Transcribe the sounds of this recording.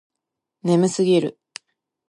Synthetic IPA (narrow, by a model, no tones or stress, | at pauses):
ne̞mɯ̟sɨɡʲiɾɯ̟